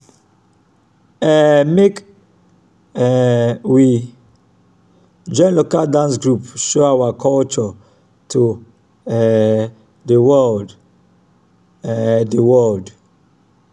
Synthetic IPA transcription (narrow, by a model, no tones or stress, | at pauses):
ɛmek | wi | d͡ʒɔ̃ɪ̃nlokaldãns̬ɡɹupʃoawakʰɔlt͡ʃɔ | tʰu | ɛ | dəwɔld | dəwɔld